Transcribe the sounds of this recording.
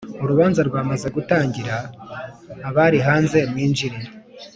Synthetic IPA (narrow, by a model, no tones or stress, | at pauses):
uɾuβaːnzaɾɡwaːmaze̞ɡutaːɲɟiɾaː | βaɾiɦaːnze̞mŋiːnd͡ʒiɾi